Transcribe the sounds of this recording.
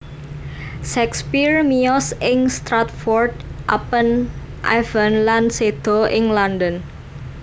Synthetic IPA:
ʃɛkspirmiɔsɪŋst̪ɾat̪̚fɔrd̪̚ʔa̰pən | ʔa̰vənlansed̪̥ɔ̤ʔɪŋlandən

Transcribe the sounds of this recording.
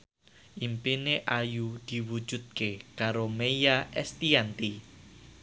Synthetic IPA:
ʔimpineʔajud̪̥i̤wu̥d͡ʒ̥ṳd̪̚kekaɾomejaʔɛst̪iant̪i

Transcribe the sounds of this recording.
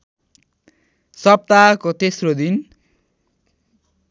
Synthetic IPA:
sʌp̚t̪akot̪esrod̪in

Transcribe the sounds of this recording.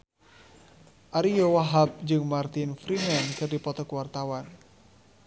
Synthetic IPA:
ʔaɾijowaɦap̚d͡ʒɨŋmart̪ɪnfɾimɛnkɨrdipɔt̪ɔkuwart̪awan

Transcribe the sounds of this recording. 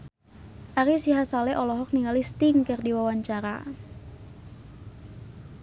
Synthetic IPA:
ʔaɾisiɦasalɛʔɔlɔɦɔk̚niŋɡalist̪ɪŋkərdiwawaɲt͡ʃaɾa̰

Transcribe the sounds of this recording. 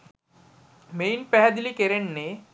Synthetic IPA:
mejnpɛɦad̪iliːkeɾeɳne

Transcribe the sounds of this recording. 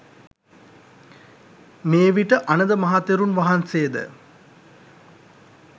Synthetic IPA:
meːʋiʈəʔanəd̪əmɐɦat̪eɾunʋaɦansejəd̪ə̰

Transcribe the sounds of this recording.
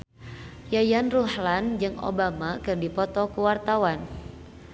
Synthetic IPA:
jajanruhland͡ʒɨŋo̰bamakɨrdipɔt̪ɔkuwart̪awan

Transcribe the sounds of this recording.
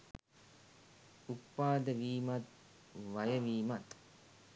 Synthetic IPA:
upːaːd̪əʋiːmat̪̚ | ʋajəʋiːmat̪

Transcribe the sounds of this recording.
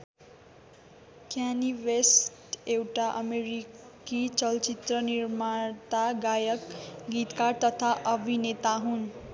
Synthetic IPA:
kjaniwesʈewʈaʔʌmeɾi | kit͡sʌlt͡sit̪rʌniɾmaɾt̪aɡajʌkɡit̪kaɾt̪ʌt̪ʰaʔʌbʱinet̪aɦun

